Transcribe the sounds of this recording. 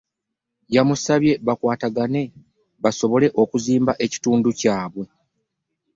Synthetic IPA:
jamusaβje̞βakwaːtaɡane̞ | βaso̞βo̞le̞ʔo̞kuziːmbaʔe̞ci̥tuːnducaːβwe̞

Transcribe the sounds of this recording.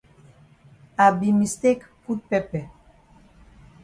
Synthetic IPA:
abimist̪ekkut̪̚pepe

